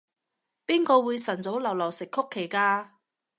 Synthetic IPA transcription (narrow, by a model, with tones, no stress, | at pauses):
piː˥nkɔː˧wuː˨˧jsɐ˨˩nt͡so˨˥wlɐ˨˩wlɐː˨˩wsɪ˨kʰːʊ˥kʰːe˨˩jkaː˧